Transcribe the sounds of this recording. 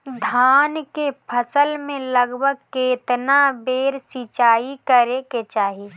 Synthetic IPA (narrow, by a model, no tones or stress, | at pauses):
d̪ʱaːnkepʰəsəlmẽləɡbʱəɡ̚keːt̪nabeːɾsiːt͡ʃaːikəɾeket͡ʃaːɦi